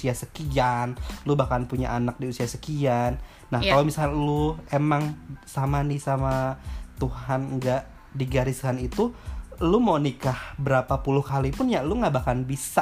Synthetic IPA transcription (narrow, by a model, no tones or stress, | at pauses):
siasəkianlubahkanpuɲa̰ʔanak̚diusiasəkianː | ahkalomisaluemaŋsamanɪsamat̪uhanŋɡaʔ | diɡaɾɪskanit̪ulumonikahbəɾapapulʊhkalipʊnjaʔluŋɡaʔbakanbisa